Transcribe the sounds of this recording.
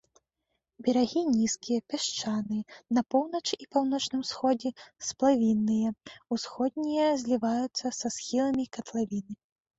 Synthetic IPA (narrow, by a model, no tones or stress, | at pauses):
bʲɛɾaɣʲinʲiskʲijɐpʲaʂt͡ʂanɨjɐnɐpɔwnɐt͡ʂipawnɔt͡ʂnɨmsxɔd͡zʲɛsplˠavʲinːɨjɐusxɔd̪̚ʲnʲijɐzʲlʲivajut̪sːɐsasxʲilˠɐmʲikɐt̪lˠavʲinɨ